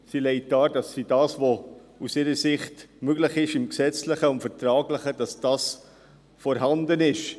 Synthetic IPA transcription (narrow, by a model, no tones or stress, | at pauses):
silɛɪt̚ːɑːd̥ɑsːid̥ɑːsvousɪɾəsɪχtmøɡlɪχɪʃɪmksɛt͡slɪχəʊntfəɾtɾɑːɡlɪχəd̥ɑsd̥ɑːs | fɔɾɦɑndənɪʃ